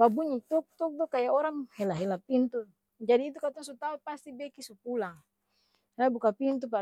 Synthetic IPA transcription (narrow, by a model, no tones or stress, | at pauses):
babuɲit̪uk̚t̪uk̚dɔkajaoɾaŋhelaɦelapint̪u | d͡ʒadiːt̪̬ukat̪ɔŋsut̪aupast̪ibekisupulaŋ | abukapint̪̬upa